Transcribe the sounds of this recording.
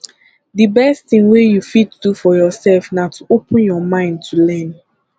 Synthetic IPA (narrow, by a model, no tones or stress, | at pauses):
dibɛstθĩŋwejufid̚tudufɔjɔsɛlfnatʰuopə̃njɔmãɪ̃nd̚tʰulɛ̃n